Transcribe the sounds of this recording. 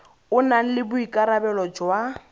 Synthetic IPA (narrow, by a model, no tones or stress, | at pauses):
ʊnaŋ̩lɪbʊikʼaɾabɛlɔd͡ʒwa